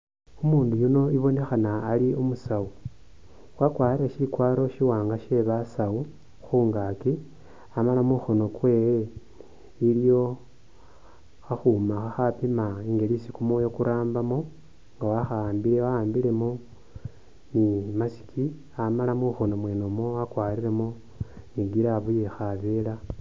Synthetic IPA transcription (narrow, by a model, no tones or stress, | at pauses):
umuːndujuno̞iβo̞ne̞xanaːliumusau | wakwaːɾiɾeʃilikwaːɾo̞ʃiwaːŋɡaʃe̞βasau | xuːŋɡaki | amalamuxo̞no̞kwe̞ːwe | ilijo̞ | xaxumaxaxapimaiŋɡe̞lisikumojo̞kuɾaːmbamo | ŋɡawaxaaːmbiɾewaaːmbile̞mo | nimasi̥kʰi | amalamuxo̞no̞mwe̞ːnomoakwaːɾiɾe̞mo | niɡiɾaβujexaβela